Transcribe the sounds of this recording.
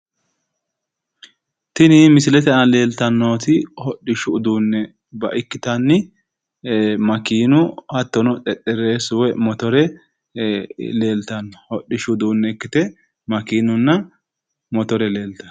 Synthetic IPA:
t̪ɪnɪmɪsɪlɛt̪ɛnɐle̞ːlt̪ɐnːo̞ːt̪ɪhɔɗɪʃʊd̪uːnːɛ | bɐʔɪkːɪt̪ɐnːɪ | mɐkiːnʊhɐt̪ːɔnɔt̪ʼɛt̪ʼːɛɾe̞ːsʊwɛmɔt̪ɔɾɛ | le̞ːlt̪ɐnːɔhɔɗːɪʃʊd̪uːnːɛkːɪt̪ɛ | mɐkiːnʊnːɐ | mɔt̪ɔɾɛle̞ːlt̪ɐ

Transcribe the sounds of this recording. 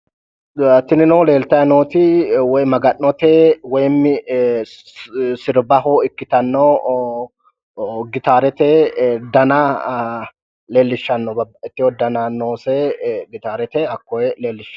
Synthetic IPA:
t̪ɪnɪnoːle̞ːlt̪ɐjnoːt̪ɪwɔjmɐɡɐnːɔt̪ɛːwɔjmːɪ | sɪɾbɐɦɔɪkːɪt̪ɐnːɔ | ɡɪt̪aːɾɛt̪ɛd̪ɐna | le̞ːlːɪʃːɐnːɔɪt̪ːɪjɔd̪ɐnanoːsɛɡɪt̪aːɾɛt̪ɛɐkːɔɛle̞ːlːɪʃ

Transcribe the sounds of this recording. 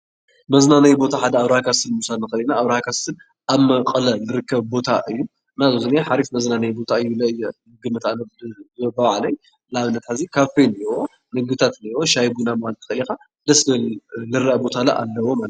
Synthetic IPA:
mɐznanajbo̞t̪ʰaħad̪ɐaβɾɐhakʰast̪ɨnmusalnɨxɐlinaːβɾɐhakʰast̪ɨn | ʔaβmɐqʼɐlɐlɨɾɨkʰːɐβbo̞t̪ʰa̰ʔɨjːu | ɨnazozɨniaħaɾifmɐznanɐjbo̞t̪ʰaɨjːulɐʔɨjːɐ | ɨɡɨmɨt̪anɐbɐβʕlɐj | laβɨnːɐt̪ħazikʰafeniwo | nɨɡɨt̪ʰat̪niwoʃajbunamalt̪ɨ̥xɐlika | d̪ɐslɐllɨɾɐʔɐbo̞t̪ʰalɐ̰ʔa̰lːɐwomalt

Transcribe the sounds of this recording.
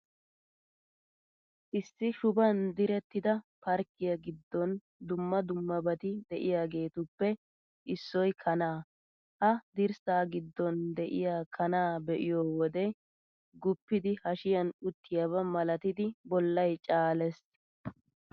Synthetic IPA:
ʔɪsːɪʃʊbɐnd̪ɪɾɛt̪ːɪd̪ɐpɐɾkːɪjɐɡɪd̪ːɔn | d̪ʊmːɐd̪ʊmːɐbɐt̪ɪd̪ɛʔɪjaːɡe̞ːt̪ʊpːɛ | ʔɪsːɔjkʰɐnaː | hɐd̪ɪɾsaːɡɪd̪ːɔnd̪ɛʔɪ̰jaːkʰɐnaːbɛʔɪjoːwɔd̪ɛ | ɡʊpːɪd̪ɪhɐʃɪjɐnʊt̪ːɪjɐβɐmɐlɐt̪ɪd̪ɪbɔlːɐjt͡ʃʼaːlɛs

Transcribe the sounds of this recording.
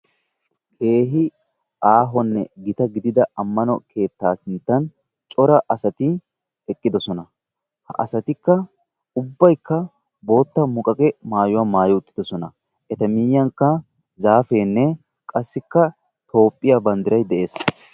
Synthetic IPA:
kʰe̞ːɦɪ | ʔaːɦɔnːɛɡɪt̪ɐɡɪd̪ɪd̪ɐɐmːɐnɔ̰kʰe̞ːt̪ːaːsɪnt̪ːɐn | t͡ʃʼɔɾɐʔɐsɐt̪ɪ | ɛkʼːɪd̪ɔsɔnɐ | hɐ̰ʔɐsɐt̪ɪkːɐ | ʊbːɐjkːɐ | bo̞ːt̪ːɐmʊkʼɐkʼɛmaːjʊwaːmaːjɔʊt̪ːɪ̥d̪ɔsɔnɐ | ʔɛt̪ɐmɪjːɐŋkːɐ | zaːfe̞ːnːɛ | kʼɐsːɪkːɐ | t̪ʰo̞ːpʼːɪjabɐnd̪ɪɾɐjd̪ɛʔe̞ːs

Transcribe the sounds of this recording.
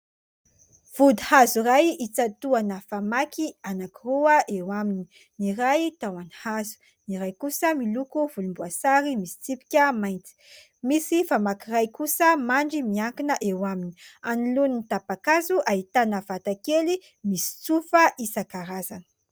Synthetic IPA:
v̥ud̪ihazurajit͡sat̪uanəfamakʰianakiruəʔewamini | niɾajt̪awani̥hazu̥ | niɾajkusəmilukuvulumbuasaɾimisi̥t͡sipi̥kʲəmajnt͡si̥ | misifamakirajkusəmaɳɖ͡ʐimiaŋkinəʔewamini̥aniluninit̪apakazuʔaɦit̪anəvat̪akeli | misi̥t͡sufəʔisakaɾazanə̥

